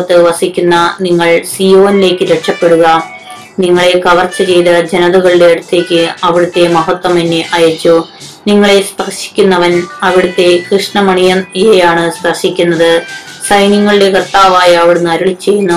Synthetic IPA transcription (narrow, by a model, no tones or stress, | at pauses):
t̪ːɨʋɐsikʲːunːɐniŋːɐɭsijo̞ːnile̞ːkːɨɾeʈʂɐpːe̞ɽuɣɐ | niŋːɐɭe̞kɐʋɐrt͡ɕːɐt͡ɕe̞jt̪ɐd͡ʑenɐðuɣɐɭiɽe̞ɐɽut̪ːe̞ːkʲːɨɐʋiɽut̪ːe̞mɐɦɐt̪ːwɐmenːeʔɐjɐt͡ɕːu | niŋːɐɭe̞spɐrʂi̥kʲːunːɐʋɐnɐʋiɽut̪ːe̞krɨʂɳɐmɐɳijɐnijejaːɳɨspɐrʂikʲːunːɐðɨ | sɐjniŋːɐɭiɽe̞kɐrt̪ːaːʋaːjɐːʋiɽunɐɾuɭit͡ɕːe̞jːunːu